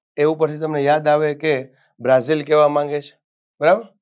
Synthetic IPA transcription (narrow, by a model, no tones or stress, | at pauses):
eʋũpəɾt͡ʃʰit̪əmnejad̪aʋeke | bɾazilkeʋamãŋɡet͡ʃʰ | bəɾabəɾ